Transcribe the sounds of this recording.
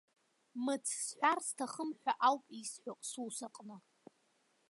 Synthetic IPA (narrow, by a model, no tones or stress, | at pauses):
mɨt͡sʰsħᶣʷarstʰaχəmħʷᶣaʔawpʼisħʷᶣakʼsusaqʼnɨ